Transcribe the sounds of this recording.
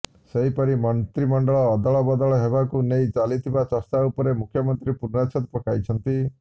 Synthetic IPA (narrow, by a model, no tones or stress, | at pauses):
seɦipɔɾimɔnt̪ɾimɔɳɖɔɭɔːd̪ɔɭɔbɔd̪ɔɭɔɦeβakunejt͡ʃalit̪ʰibat͡ʃɔst̪aupɔɾemukʰjɔmɔnt̪ɾipuɾnat͡ʃʰɔt̪̚pɔkajt͡ʃʰɔnt̪i